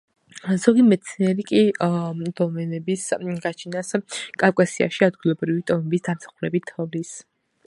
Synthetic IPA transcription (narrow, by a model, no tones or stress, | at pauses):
zɔɡimɛt̪sʰniɛɾikʼid̪̥ɔmɛnɛbisɡat͡ʃʰinaskʼafkʼasia̰ʃiad̪̚ɡilˠɔbɾivid̪ʼɔmɛbisd̪amsḁχuɾɛbit̪ʰːɔvlis